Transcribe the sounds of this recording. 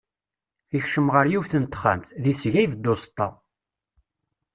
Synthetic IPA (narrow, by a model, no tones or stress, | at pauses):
içʃəmʁəɾjuvθənt̪ːχæ̰mt̪ðisʝæjvd̪ːost̪ˤːɑ̰